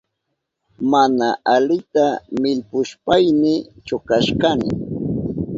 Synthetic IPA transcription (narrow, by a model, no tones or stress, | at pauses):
manaʔalɪt̪amɪʎpʊʃpajnɪt͡ʃʊkaʃkanɪ̰